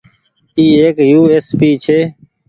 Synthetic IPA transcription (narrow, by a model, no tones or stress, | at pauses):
iːeːkjuːeːspiːt͡ʃʰeː